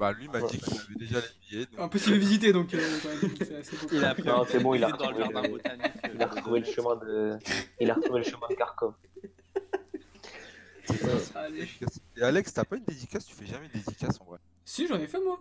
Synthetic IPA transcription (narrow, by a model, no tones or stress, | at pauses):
balɥimadd̪ikiavɛd̪eʒaleijed̪ɔ̃ɛ̃pɔsibldəvizit̪̬ed̪ɔ̃køkɑ̃mɛm̃sɛasebõlanɔ̃sɛbɔ̃ilaʁət̪uve | ilaʁət̪χuveləʃəmɛ̃d̪əilaʁət̪ʰuveləʃəmɛ̃d̪əkaʁkɔv | sɛsaeikʲasealɛkst̪yapaynd̪ed̪ikʲast̪y̥fɛʒamɛnd̪ed̪ikʲasɑ̃vwa | siʒɑ̃nɛfɛmwa